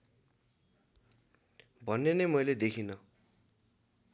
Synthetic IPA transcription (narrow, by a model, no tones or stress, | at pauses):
bʱʌnːenʌjmʌjled̪ekʰinʌ